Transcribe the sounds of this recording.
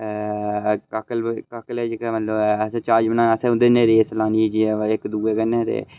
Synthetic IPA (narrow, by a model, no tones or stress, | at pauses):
kakəlkaːkəlɛːd͡ʒɪkɛmət̪ləbsẽt͡ʃaːɾd͡ʒmənãːəsẽːʊ̃nd̪eneːɾeːslaːniːd͡ʒiɪkd̪uːeːkənːet̪ḛː